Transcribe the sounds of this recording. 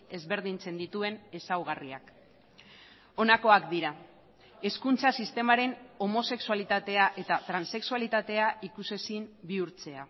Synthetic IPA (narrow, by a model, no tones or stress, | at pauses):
e̞zβe̞ɾð̞int͡se̞nd̪it̪ue̞ne̞sawɣ̞aria̰k | o̞nako̞akd̪iɾa | e̞skunt͡sasist̪e̞maɾe̞no̞mo̞se̞ksualit̪at̪e̞aʔe̞t̪at̪ɾanse̞ksualit̪at̪e̞aʔikuse̞simbiuɾt͡se̞a